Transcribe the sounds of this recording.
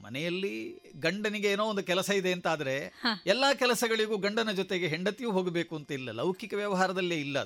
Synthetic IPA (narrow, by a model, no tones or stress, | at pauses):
mɐ̰nɛjɐlːi | ɡɐɳɖɐniɡe̞eːnoːond̪ukɛlɐsɐid̪e̞ɐnt̪aːd̪ɐɾe̞ɛlːɐːkɛlɐsɐɡɐɭiɡuːɡɐɳɖɐnɐd͡ʒot̪e̞ɡeɦeɳɖɐt̪ːijuːɦoːɡebe̞ːkuɐnt̪ɐilːɐlɐwkikɐʋjɐʋɐɦaːɾɐd̪ɐlːeːilːɐ